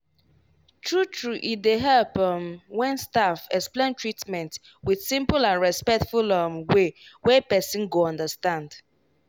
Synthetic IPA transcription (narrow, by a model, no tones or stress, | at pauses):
tʰɹutʰɹuʔit̚deɦɛpmwɛ̃nstafɛksplẽntɹitmɛ̃nt | wið̥sĩmpʊlãnɹɛspɛk̚tfulʌmwewɛpɛsĩnɡoɔ̃ndəstãnd